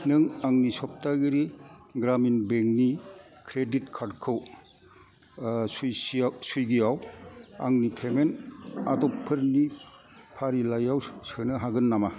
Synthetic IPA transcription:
nɯŋaŋnisɔp̚taɡɯɾiɡɾaminbeŋni | kʰɾeditkʰaɾdkʰɯw | sujssujɡijawaŋnipʰemenatɔpʰːɯɾni | pʰaɾilajawsɯnɯɦaɡɯnːama

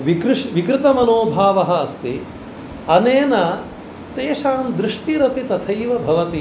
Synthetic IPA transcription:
ʋikɾʂʋikɾɪt̪ɐmɐnoːbʱaːʋɐɦɐːst̪i | ɐneːnɐ | t̪eːʂaːmd̪ɾɪʂʈiɾɐpit̪ɐt̪ʰɐjʋɐbʱɐʋɐt̪i

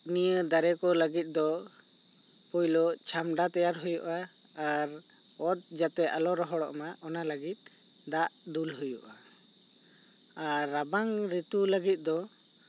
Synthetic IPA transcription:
nijəd̪aɾɛkɔləɡit̪̚d̪ɔ | pujlɔʔt͡ʃʰamɖat̪ajaɾɦujuʔaː | ɾ | ɔt̪̚d͡ʒat̪ɛʔalɔɾɔɦɔɽɔ̰ʔmaʔɔnaləɡit̪̚ˀ | d̪aʔd̪ulɦujṵʔa | aɾːabaŋɾit̪uləɡit̪̚ˀd̪ɔ

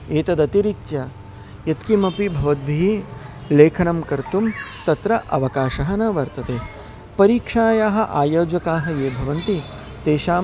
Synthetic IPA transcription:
eːt̪ɐd̪ɐt̪iɾit̪t͡ʃɐ | jɐt̪kimɐpibʱɐʋɐd̪̚bʱiɦileːkʰɐnɐmkɐɾt̪umt̪ɐt̪ɾɐʔɐʋɐkaːʃɐɦɐnɐʋɐɾt̪ɐt̪eː | pɐɾiːkʂaːjaːɦɐ̆ʔaːjoːd͡ʒɐkaːɦɐ̆jeːbʱɐʋɐnt̪i | t̪eːʃaː

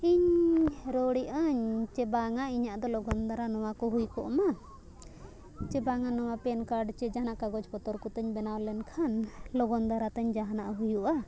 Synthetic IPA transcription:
iɲɾɔɽiʔəɲt͡ʃɛbaŋaiɲaʔd̪ɔlɔɡɔnd̪aɾanɔwakɔɦujkɔ̰ʔma | t͡ʃɛbaŋanɔwapɛnkaɾɖt͡ʃɛd͡ʒaɦanaʔkaɡɔd͡ʒpɔt̪ɔɾkɔt̪əɲbɛnawlɛnkʰanlɔɡɔnd̪aɾat̪əɲd͡ʒaɦanaʔɦujuʔa

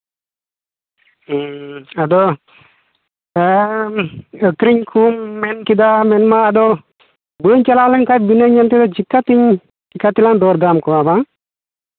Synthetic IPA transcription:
ɐd̪o | əkɾiɲkʰuːmːenkid̪amenmaɐd̪o | bəːɲt͡ʃɐlaːlɐnkabinɐɲɐnt̪iɐd̪ot͡ʃikːat̪iɲ | t͡ʃikːat̪iland̪oːɾd̪aːmkuabaŋ

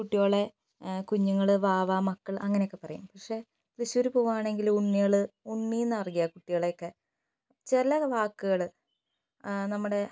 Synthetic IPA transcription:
kuʈːijoːɭe | kuɲːuŋːɐɭʋaːʋaːmɐkːɐɭɐŋːɐnejokːepɐrɐjṵmpɐkʂe̞ | t̪riɕoɾupuːʋaːɳe̞ŋɡiluɳːijɐɭɨuɳːijnːɐɐrɡijɐkuʈːijoːɭeokːe | t͡ɕelɐʋaːkːuɣɐɭ | nɐmːuɽe̞

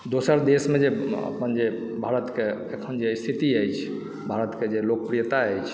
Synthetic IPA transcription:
d̪osəɾd̪esmed͡ʒeə̰pənd͡ʒe | bʱaɾət̪keekʰənd͡ʒest̪ʰit̪iəjt͡ʃʰ | bʱaɾət̪ked͡ʒelok̚pɾijət̪aəjt͡ʃʰ

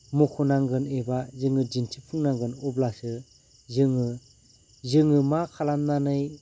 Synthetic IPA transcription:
mukʰɔnaŋɡɯnebazɯŋɯd͡ʒintʰipʰuŋnaŋɡɯnɔblasɯ | zɯŋɯ | zɯŋɯmakʰalamnanɯj

